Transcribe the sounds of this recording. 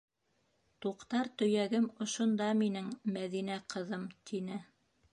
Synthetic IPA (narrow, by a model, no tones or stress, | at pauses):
t̪uqt̪ɑɾt̪ɵ̆jæɡɘmŏʃŏnd̪ɑminɘŋmæðinæqʰɤ̆ðɤmt̪ʰinɘ